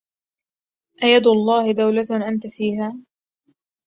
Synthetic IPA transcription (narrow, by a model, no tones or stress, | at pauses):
ʔajad̪ʊlˤːɑːhɪd̪awlat̪ʔant̪afiːhaː